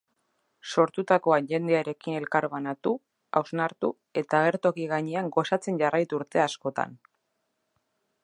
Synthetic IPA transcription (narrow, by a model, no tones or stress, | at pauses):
so̞ɾt̪ut̪ako̞aʝe̞nd̪eaɾe̞kine̞lkaɾβanat̪u | a̰wznaɾt̪u | e̞t̪aaːɣ̞e̞ɾt̪o̞kiɣ̞aɲeaŋɡo̞sat͡se̞nʝarajt̪uɾt̪e̞asko̞t̪a̰n